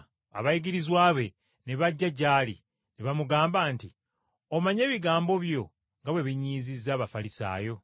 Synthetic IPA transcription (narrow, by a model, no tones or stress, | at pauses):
a̰βajiɡiɾizwaːβe̞ | neβaɟːaɟaːlḭ | neβamuɡaːmbaːnti | omaɲe̞ːβiɡaːmbo̞βjo̞ | ŋɡaβwe̞βiɲiːzizːaːβafalisa̰ːjo̞